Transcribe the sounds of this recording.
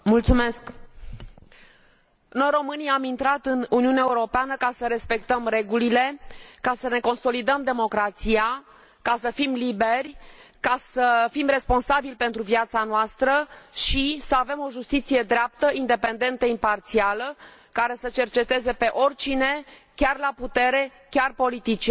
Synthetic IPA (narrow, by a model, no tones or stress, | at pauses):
mult̪sume̞sk | no̞jɾo̞mɨniamint̪ɾat̪ɨnuniunaeuɾo̞peanəkasəɾe̞spe̞kt̪əmre̞ɡulile̞kasəne̞ko̞nso̞lid̪əmd̪e̞mo̞kɾat̪sija | kasəfimlibe̞rʲkasəfimre̞spo̞nsabilʲpe̞nt̪ɾuviat̪sanoast̪ɾəʃisəave̞mo̞ʒust̪it̪sije̞d̪ɾeap̚t̪əind̪e̞pe̞nd̪e̞nt̪əimpart̪sialəkaɾe̞sət͡ʃe̞rt͡ʃe̞t̪e̞ze̞pe̞ʔo̞rʲt͡ʃine̞kʲarlaput̪e̞ɾe̞ | kʲarpo̞lit̪it͡ʃi